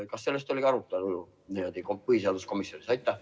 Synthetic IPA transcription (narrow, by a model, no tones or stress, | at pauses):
kɑsːe̞lːe̞st̪o̞lʲiɡ̥ɑɾut̪ːˑɑlulu | neod̪ikopɤɦiseɑd̪usko̞misjo̞nisɑjt̪ˑːɑ